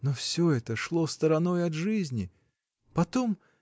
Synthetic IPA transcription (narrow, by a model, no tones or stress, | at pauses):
nɔfsʲɔɛt̪ɐʂlˠɔst̪ɐɾanɔjɐd̪ʐɨzʲnʲi | pat̪ɔm